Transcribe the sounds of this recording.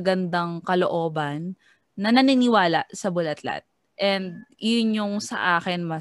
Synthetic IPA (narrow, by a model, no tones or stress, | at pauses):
ɡɐnd̪ɐŋkɐloʔo̞ːbɐnː | ɐnɐnɪnɪwaːlɐʔsɐbʊlɐt̪la̰t̪̚ | ʔɛnd̪̚jʊnjʊŋsɐ̰ʔaːkɛnmɐ